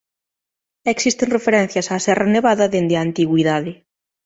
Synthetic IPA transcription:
eksist̪eŋrefeɾɛn̟θjɐsaːsɛraneβaðɐðend̪eant̪iɣwiðaðɪ

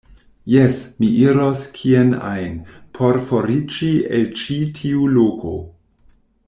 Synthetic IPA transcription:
jesmiʔiɾoskʰiena̰jnpʰoɾfoɾid͡ʒielt͡ʃitʰiulokʰo̰

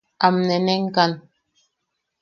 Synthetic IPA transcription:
amnɛnɛŋ̩kan

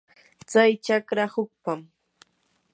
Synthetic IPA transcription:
t͡sajt͡ʃakɾahʊk̚pam

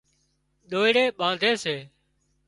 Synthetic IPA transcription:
ɗ̪oːɪɽeːɓãːnd̪ʱeːseː

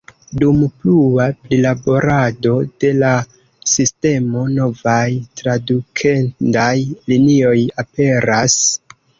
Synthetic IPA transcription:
dumpluapɾilabo̞ɾado̞d̥e̞la | siste̞mo̞no̞vajtɾadukʰendajlinio̞jape̞ɾas

